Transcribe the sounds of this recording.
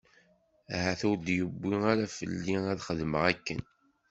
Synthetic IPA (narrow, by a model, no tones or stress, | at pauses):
æhæθuɾd̪jəbːiaɾæfə̰lːiæðχəðməʁækːə̰n